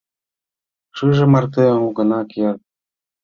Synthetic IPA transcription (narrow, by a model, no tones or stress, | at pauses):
ʃɯʒĕmɑrt̪emuɡɤ̆nɑke